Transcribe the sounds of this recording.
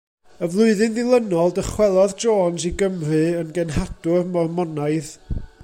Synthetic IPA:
əvlˠʊɨðɨnðɪlˠənɔlˠdəχwɛlˠɔðd͡ʒoːnziɡəmrɨənɡɛnɦad̥ʊrmɔrmɔnaɨð

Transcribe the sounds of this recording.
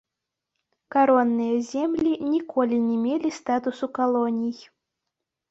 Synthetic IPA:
kaɾɔnːɨjɛzʲemlʲinʲikʰɔlʲinʲɛmʲelʲist̪at̪usukalˠɔnʲij

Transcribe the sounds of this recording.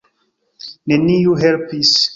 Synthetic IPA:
neniuɦelpis

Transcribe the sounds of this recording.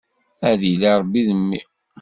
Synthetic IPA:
æðiliɾˤbːiðəmːḭ

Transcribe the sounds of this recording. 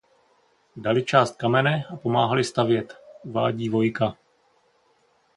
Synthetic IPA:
dalɪt͡ʃaːst̪̚kamɛnɛapo̞maːɦalɪst̪avjɛt̪uva̰ːɟiːvo̞jka

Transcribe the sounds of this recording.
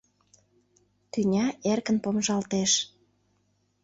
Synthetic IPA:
t̪ynʲɑʔerkənpomʒɑlt̪eʃ

